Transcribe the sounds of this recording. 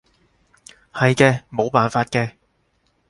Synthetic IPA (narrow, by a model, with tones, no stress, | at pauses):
hɐ˨jkɛː˧mo˨˧wpaː˨nfaː˧t̚kɛː˧